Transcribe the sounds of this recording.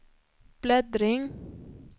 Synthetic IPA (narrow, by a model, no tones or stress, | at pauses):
b̥lɛd̪ɾɪŋ